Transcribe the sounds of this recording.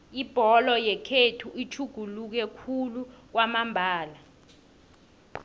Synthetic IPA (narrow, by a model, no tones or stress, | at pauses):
ib̥ʱɔlɔjɛkʰetʰuʔit͡ʃʰuɡ̥ʱuluk̬ɛkʰuluk̬wamambʱaːla